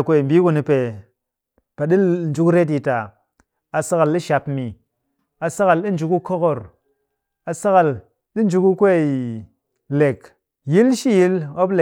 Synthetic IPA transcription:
kʷe˦i˨m̩˨bi˦ku˧ni˧pe˨ | pa˨ɗi˦n̩˨d͡ʒu˦kɾe˦t̬i˧ta˨ | a˨sa˦ka˨lɗi˦ʃa˧pmi˨ | a˨sa˦ka˨lɗi˦n̩˨d͡ʒu˨ku˦ko˦ko˨ɾ | a˨sa˦ka˨l | ɗi˦n˦d͡ʒu˦ku˦kʷe˦˨i˨ | le˨k | ji˦lʃi˦ji˦lo˦ple˨

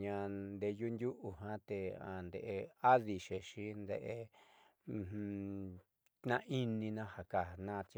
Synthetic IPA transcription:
ɲã˧nd̪e˧ju˦nd̪ʲju˦ʔu˨ɦã˦t̪e˧a̰˨nd̪ḛ˧˨ʔe˧a˦ði˧ʃe˨ʃi˦nd̪ḛ˧˨ʔẽ˧ | h | nã˧˦ʔi˦nĩ˧nã˧ha˨ka˨nã˦˧t͡ʃ

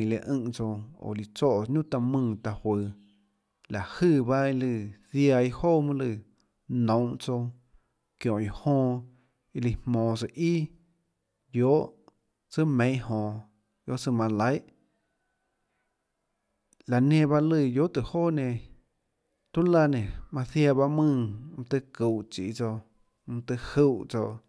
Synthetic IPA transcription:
lḭ˧ʔɨ̃˧ʔt͡so˧o̰˨li˧t͡so˦˨˧ɲũ˦t̪a˧mɨ̃ː˧˨t̪a˧hwə˨˧ | la˨hɨ˦˧˨ba˦i˧lɨ˧ðja˧i˧hoː˦mɨ̃˦lɨ˧˨ | nõ˨w̃ʔt͡so˧ | kjõ˨ʔi˧˨hõː˧ | i˧li˧hmmõː˨sɨ˧˨ʔi˦ | joː˨˦ʔ | t͡sɨ˦mẽ˨˦j̃ʔhõ˨ | jo˦ʔt͡sɨ˧mã˧la˦jʔ | la˨nẽ˧˨ba˦lɨ˧˨jo˦ʔt̪ɨ˨hoː˦˨nẽ˧˨ | t̪u˦la˧nẽ˨mã˧θja˧˨ba˦mɨ̃˦˧m̩̃˧t̪ɨ˧ku˨ʔt͡ʃḭ˨ʔt͡so˧ | m̩̃˧t̪ɨ˧hu˧˨t͡so˧ʔ

